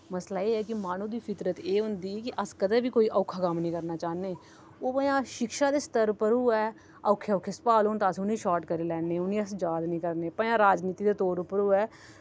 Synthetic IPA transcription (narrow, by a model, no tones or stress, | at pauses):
məslaːeːɛːkɪmaːnũːd̪iːpʰɪt̪ɾət̪eːɦʊ̃nd̪iːkɪʔəskəd̪eːbiːkoːiːʔəːkʰaːkəmnĩːkəɾnaːt͡ʃaːneː | oːpə̃jãːʃɪkʃaːd̪eːst̪əɾpəɾuːɛː | əʊkʰːeʊkʰːespaːloːnt̪aːsʊnĩːʃaːʈkəɾeːlɛːneːʊnĩːəsd͡ʒaːd̪nĩːkəɾneːpəjãːɾaːd͡ʒniːt̪iːd̪eːt̪oːɾʊpəɾuːɛː